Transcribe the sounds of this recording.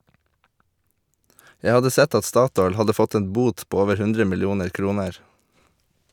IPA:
ˈjæ ˈhɑdə ˈsɛt ˈɑt ˈstɑːˌtɔʏl ˈhɑdə ˈfɔt ˈeːn ˈbuːt ˈpoː ˈoːʋəɾ ˈhʉndɾə mɪlˈjuːnəɾ ˈkɾuːnəɹ

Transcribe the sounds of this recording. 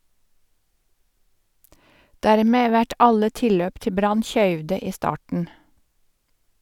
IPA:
ˈdæːɾmeː ˈʋæʈ ˈɑlə ˈtɪlløːp ˈtɪ ˈbɾɑn ˈçœʏʋdə ˈiː ˈstɑːʈən

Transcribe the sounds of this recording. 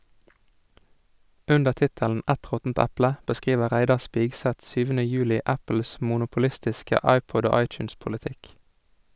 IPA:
ˈʔʉndəʁ ˈtɪtəln̩ ˈʔɛt ˈʁɔtn̩t ˈɛplə bəˈskʁiːʋəʁ ˈʁæɪdɑʁ ˈspɪɡsɛt ˈsyːʋənə ˈjʉːlɪ ˈæpəls mʊnʊpʊˈlɪstɪskə ˈɑɪpɔd ˈoː ˈɑɪt͡ʃʉnspʊlɪˌtɪk

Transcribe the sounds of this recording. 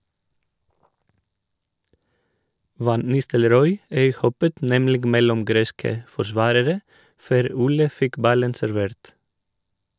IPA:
ˈʋɑn ˈnɪstəlˌɾɔʏ ˈœʏˌhɔpət ˈnɛmlɪɡ ˈmɛlɔm ˈɡɾeːskə fɔɾˈsʋɑːɾəɾə ˈføːɾ ˈuːlə ˈfɪk ˈbɑlən sæɾˈʋeːɾt

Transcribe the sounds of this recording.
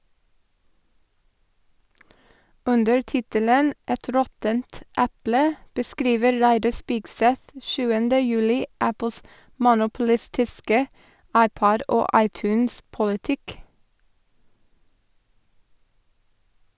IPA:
ˈʉndəɹ ˈtɪtələn ˈɛt ˈɾɔtənt ˈæplə bəˈskɾiːʋə ˈɾæɪdɑ ˈspiːɡˌsɛt ˈʃʉːəndə ˈjʉːlɪ ˈæpl̩s mʊnʊpl̩ˈɪstɪskə ˈɑɪˌpɔd ˈoː ˈɑɪˌtʉːnspʊlɪˌtɪk

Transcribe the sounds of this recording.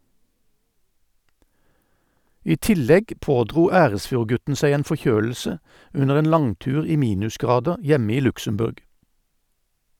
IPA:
ˈiː ˈtɪlɛɡ ˈpoːdʁuː ˈæːʁəsfjuːʁˌɡʉtn̩ ˈsæɪ ˈeːn fɔˈçøːl̩sə ˈʉnəʁ ˈeːn ˈlɑŋˌtʉːʁ ˈiː ˈmiːnʉsˌɡʁɑːdəʁ ˈjɛmə ˈiː ˈlʉksəmˌbʉʁɡ

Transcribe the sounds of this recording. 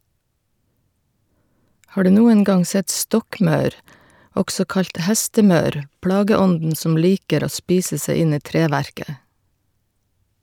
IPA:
ˈhɑː ˈɖʉː ˈnuːən ˈɡɑŋ ˈsɛt ˈstɔkˌmɑʉɾ ˈɔɡsɔ ˈkɑʎc ˈhæstəˌmɑʉɾ ˈpɽɑːɡəˌɔndn̩ ˈsɔm ˈliːkəɾ ˈoː ˈspiːsə ˈsæɪ ˈɪn ˈiː ˈtɾeːʋæɾkə

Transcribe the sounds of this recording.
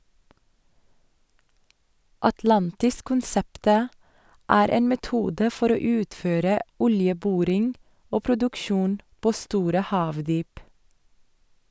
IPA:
ɑtˈlɑntɪskʊnˌsɛptə ˈæːɾ ˈeːn mɛˈtuːdə ˈfɔɾ ˈoː ˈʉːtføːɾə ˈɔljəˌbʊɾɪŋ ˈoː pɾʊdʉkˈʃuːn ˈpoː ˈstuːɾə ˈhɑːʋdyːp

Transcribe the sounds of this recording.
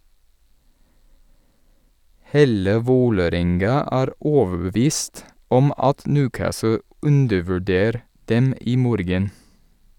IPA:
ˈheːlə ˈʋoːləˌɾɛŋɡɑ ˈʔæːɾ ˈoːʋəbəˌʋiːst ˈɔm ˈɑt ˈnʉːˌkæːsl̩ ˈʉndəʋʉˌɖeːɾ ˈdɛm ˈiː ˈmoːɾɡən

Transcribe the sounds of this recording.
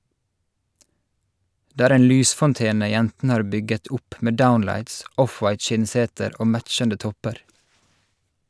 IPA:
ˈdeː ˈæːɾ ˈeːn ˈlyːsfɔnˌteːnə ˈjɛntn̩ə ˈhɑːɹ ˈbʏɡət ˈʊp ˈmeː ˈdaʊnlæɪts ˈʔɔfwɑɪt ˈʃɪnˌseːtəɾ ˈoː ˈmæt͡ʃəndə ˈtɔpəɾ

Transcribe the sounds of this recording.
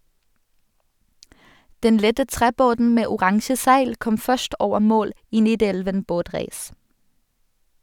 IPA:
ˈdɛn ˈlɛtə ˈtʁeːˌboːdn̩ ˈmeː ʊˈʁɑŋʃə ˈsæɪl ˈkɔm ˈfœʃʈ ˈoːʋə ˈmoːl ˈiː ˈniːˌdɛlʋən ˈboːˌtʁeːs

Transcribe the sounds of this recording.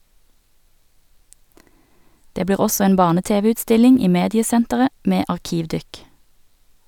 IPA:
ˈdeː ˈbliːʁ ˈɔsɔ ˈeːn ˈbɑːʁnəˌteːʋəʉːtˌstɪlɪŋ ˈiː ˈmeːdɪəˌsɛntəʁə ˈmeː ɑʁˈkiːʋˌdʏk

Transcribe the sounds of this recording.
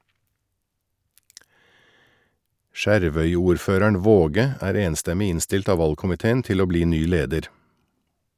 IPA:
ˈʃæɾʋœʏuːɾˌføːɾæɳ̩ ˈʋoːɡə ˈæːɾ ˈeːnstɛmɪ ˈɪnstɪlt ˈɑː ˈʋɑlkʊmɪteːn̩ ˈtɪl ˈoː ˈbliː ˈnyː ˈleːdəɾ

